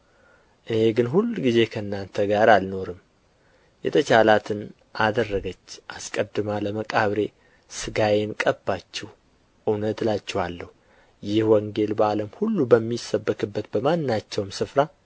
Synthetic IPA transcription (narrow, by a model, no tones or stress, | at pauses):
ʔɨne̞ɡɨnɦulːuɡize̞kʰəɨnːant̪ʰəɡaɾalno̞ɾɨm | jɛ̰t̪ʰət͡ʃalat̪ʰɨn | ʔad̪ərːəɡət͡ʃːʔaskʼəd̪ɨmaləməkʼaβɾe̞ | sɨɡajenkʼəbːat͡ʃːɛh | ʔɨwnət̪lat͡ʃːɛhalːəhu | jɪhwɔŋɡe̞lbəaləmhulːubəmːisːəbːəkʼɨbːət̪bəmanːat͡ʃːɛwmsɨfɾa